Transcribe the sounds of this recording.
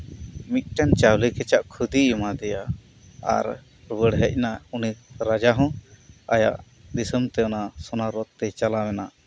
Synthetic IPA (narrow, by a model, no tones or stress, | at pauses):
mit̪̚ˀʈant͡ʃawlikɛt͡ʃaʔkʰud̪iimad̪ɛja | a̰ɾ | ɾbəɽɦəc̚ˀnauniɾad͡ʒaɦɔ̃aja̰ʔ | d̪isəmt̪ɛɔnasɔnaɾɔt̪̚ːɛt͡ʃalawɛna